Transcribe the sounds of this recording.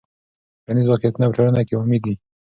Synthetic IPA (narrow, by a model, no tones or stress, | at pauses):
kanizwakijat̪unapəʈ͡ʂaɽanakeʊmid̪i